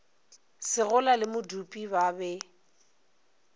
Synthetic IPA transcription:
sɪɣʊlalɪmʊdupʼibabɛ

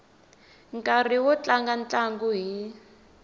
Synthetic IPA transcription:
ŋkʼar̤iwɔt͡ɬaŋɡant͡ɬaŋɡuɦi

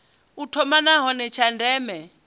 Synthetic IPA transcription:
utʰɔmanaɦɔnɛt͡ʃʰandɛːmɛ

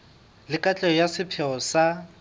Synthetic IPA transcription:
lɪkʼat͡ɬʼɛɔjasɪpʰɛɔsa

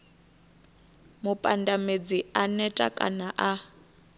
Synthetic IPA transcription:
mupʼandamed͡zianɛtʼa̰kʼa̰naʔa

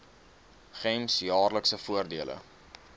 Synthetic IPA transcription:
χɛmsjɑːrləksəfuərdiələ̰

